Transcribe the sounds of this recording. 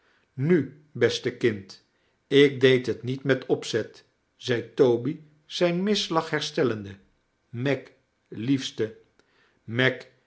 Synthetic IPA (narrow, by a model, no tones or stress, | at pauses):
ny | bɛstəkɪnt | ɪk̚dejtɦətnitmɛtɔpsɛt | z̥ɛjtowbi | z̥ɛjnmɪslɑχɦɛɹstɛləndə | mɛk | lifstə | mɛk